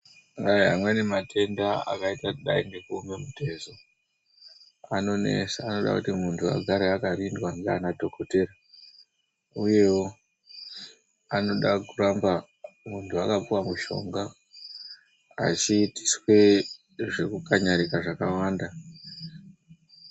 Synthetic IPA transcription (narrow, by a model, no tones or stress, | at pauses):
ajɦamwe̞ne̞matʰe̞ndaa̰kaitaɗa̰inɡekuːme̞mute̞zo | ano̞ne̞̰saːno̞ɗa̰kutimuntʰua̰ɡʱaɾeakarindwaŋɡeanadʱo̞kʰo̞te̞ɾa | uje̞wo | ano̞ɗakuramba | muntʰuakap͡fuwamuʃo̞̰ŋɡa | t͡ʃiːti̥swe̞ | ʐe̞kukaɲaɾikaʐakawaːnda